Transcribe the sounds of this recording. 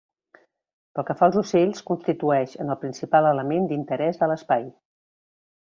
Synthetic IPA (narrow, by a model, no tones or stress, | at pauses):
pəlˠkəfaəlˠzuseʎskunst̪it̪uɛʃənəlˠpɾinsipalələmend̪int̪əɾɛzðələspaj